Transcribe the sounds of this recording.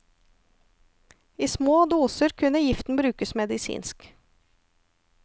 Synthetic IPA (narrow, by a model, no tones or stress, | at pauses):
iːsmoːd̪uːsəɾkʰʉnəjɪft̪n̩bɾʉːkəsmɛd̪ɪsḭːnsk